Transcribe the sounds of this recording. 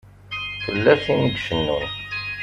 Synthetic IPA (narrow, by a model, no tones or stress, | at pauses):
θəlːæsinəɡʃənːṵn